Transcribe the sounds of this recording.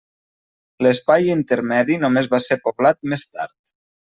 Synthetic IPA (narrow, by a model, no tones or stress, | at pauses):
ləspajint̪əɾmɛðinomezβaseɾpoβlat̪̚mest̪a̰ɾt̪